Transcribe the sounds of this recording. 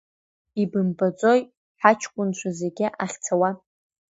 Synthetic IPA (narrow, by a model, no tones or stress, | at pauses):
ibɨmbat͡sʼo̞j | ħat͡ʃʰkʷʼʊnt͡ʃʷʰazeɡʲɪʔaχʲt͡sʰawa